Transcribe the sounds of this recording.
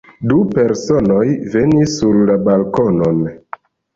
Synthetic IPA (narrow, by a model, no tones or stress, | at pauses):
dupe̞ɾsonojve̞nisːuɾlabalkonon